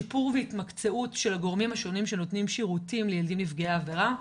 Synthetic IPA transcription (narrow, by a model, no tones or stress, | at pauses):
ipuʁveitmakt͡se̞utʃe̞lhaɡo̞ʁmimhaʃo̞nimʃe̞notnimʃiʁutimlejeldimlifɡeaːve̞ʁa